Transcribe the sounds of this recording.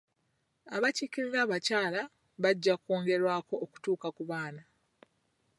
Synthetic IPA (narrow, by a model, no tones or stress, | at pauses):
aβacikiɾiɾaβacaːla | βaɟːakoːŋɡe̞ɾwaːko̞ːku̥tuːkakuβaːna